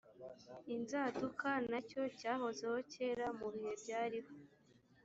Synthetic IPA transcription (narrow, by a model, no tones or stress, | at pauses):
inzaːtukanaco̞caːho̞zeho̞ce̞ːɾamuβihe̞bɟaːɾiho